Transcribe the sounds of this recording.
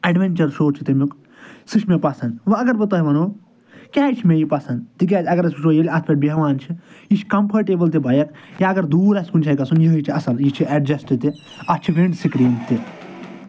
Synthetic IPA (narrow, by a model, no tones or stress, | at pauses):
ɐɖʋenʲt͡ʃɐɾʃoːt͡ʃʰi̥t̪emuk | sɨʃʰmepɐsɐnd̪ʋɐɐɡɐɾbɐt̪ɐɦiʋɐnoː | kʲaːt͡ʃʰimejipɐsɐnd̪t̪ik̬ʲaːt̪ʲɐɡɐɾɐsiʃʰojilʲɐt̪ʰpʲɐʈ̚beɦʋaːnt͡ʃʰiit͡ʃʰkɐmpʰɐɾʈeːbɐlt̪̬ebɐjɐkjaɐɡɐɾd̪uːɾɐsʲkunt͡ʃʰɐːjkɐsunjiɦit͡ʃʰiɐsɐljit͡ʃʰiɐɖd͡ʒɐsʈit̪i | ɐt͡ʃʰiʋeɳɖsikɾiːnt̪e